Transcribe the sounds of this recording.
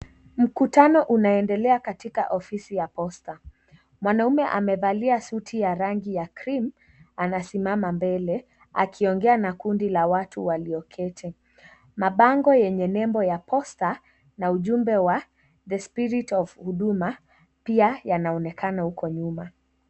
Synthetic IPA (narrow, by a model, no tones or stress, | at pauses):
m̩kutanɔʔunaɛndɛlɛakatika̰ʔɔfisijapɔsta | mwanaumɛʔa̰mɛðaliasutʰijaɾaŋɡijakɾim | anasimamambɛlɛ | akʰiɔŋɡɛanakundilawatʰuwaliɔkʰɛtʰɛ | maɓaŋɡɔjɛɲɛnɛmbɔjapʰɔsta | nauʄumbɛwa | ðəspiɾitɔvhuɗuma | piajanaɔnɛkanahukɔɲuma